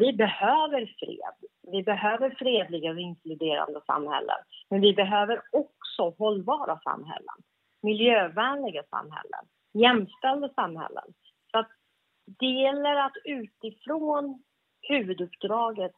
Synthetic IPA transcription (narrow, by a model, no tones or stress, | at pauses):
vɪbɛhøːvəɾfɾḛːd̪vɪbɛɦøːvəɾfɾeːd̪lɪɡaɪnklɵd̪eːɾa̰nd̪əsa̰mhɛ̰lːʔə̰nmɛnvɪbɛɦøːvəɾɔksɔɦɔlːbɑːɾʔasa̰mːɦɛ̰lːə̰n | mɪljøːvæːnlɪɡasa̰mːɦɛ̰lːə̰n | jɛmːst̪ɛld̪əsamhɛ̰lːə̰n | sɔat̪̚ | d̪̥ɛjɛlːəɾat̪ʉ̟ːt̪ɪfɾoːn | hʉ̟ːvɵd̪ɵpːd̪ɾɑːɡət̪